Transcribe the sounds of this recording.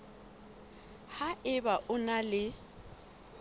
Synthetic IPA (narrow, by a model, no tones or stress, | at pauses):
haʔɪbaʔʊnalɪ